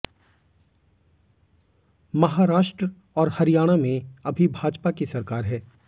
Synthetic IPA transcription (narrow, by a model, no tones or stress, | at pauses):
mɐɦaːɾaːʃʈɾə | ɔːɾhɐɾijaːɽ̃amẽɐbʱibʱaːd͡ʒpakisɐɾkaːɾɦɛː